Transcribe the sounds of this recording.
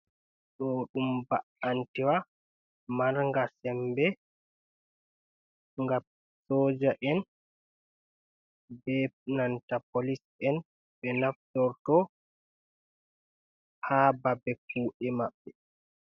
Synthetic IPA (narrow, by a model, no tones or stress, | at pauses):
ɗɔɗumbaantiwa | maɾŋɡasɛmbɛ | ŋɡam | sɔːd͡ʒaʔɛn | bɛnantapolis | ɛn | ɓɛnaftɔɾtɔ | haːbabɛk̚uːʔɛmaɓːɛ